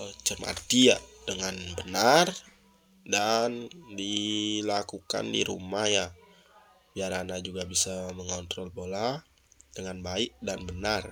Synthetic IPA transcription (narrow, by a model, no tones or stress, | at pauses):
t͡ʃəma̰t̪ijadəŋanbənar | dandilakuka̰ndḭɾṵmahja | biaɾanad͡ʒuɡabisaməŋɔnt̪ɾɔlbola | dəŋanbaɪʔ̚danbənar